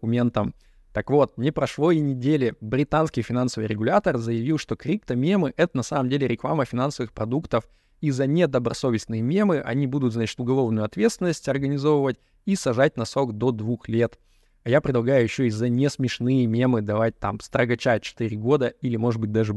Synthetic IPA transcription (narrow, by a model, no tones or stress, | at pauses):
ʊmʲent̪əm | t̪əkvo̞t̪̚nʲɪpɾɐʂlˠo̞jɪnʲɪdʲelʲɪbɾʲɪt̪anskʲɪjfʲɪnansəvɨjɾʲɪɡʊlʲat̪ərzəjɪvʲilˠʂt̪o̞kɾʲipt̪əmʲe̞mɨʔɛt̪ənɐsaməmdʲelʲɪɾʲɪklˠaməfʲɪnansəvɨxpɾɐd̪ukt̪əf | izːənʲed̪əbɾɐso̞vʲɪst̪ʲnɨjəmʲe̞mɨʔɐ̰nʲibud̪ʊt̪znat͡ɕɪ̥t̪ʊɡɐlˠo̞vnʊjʊɐt̪vʲe̞t̪st̪ʲɪnːəsʲtʲɐrɡənʲɪzo̞vəvətʲ | isɐʐat̚ʲnɐso̞kd̪o̞d̪vuxlʲe̞t̪ | ajapɾʲɪd̪lˠɐɡajʊjɪɕːoizːənʲesmʲɪʂnɨjəmʲe̞mɨd̪ɐvat̚ʲt̪amst̪ɾəɡɐt͡ɕat͡ɕɪ̥t̪ɨɾʲɪɡo̞d̪əilʲɪmo̞ʐɨd̪bɨt̚ʲd̪aʐɨ